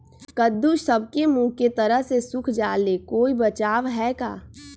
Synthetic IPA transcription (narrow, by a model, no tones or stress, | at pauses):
kəd̪ːuʃsəb̚kemũːket̪əɾəɦsesʊkʰd͡ʒaːlekoːibət͡ʃaːʋɦɛka̰ː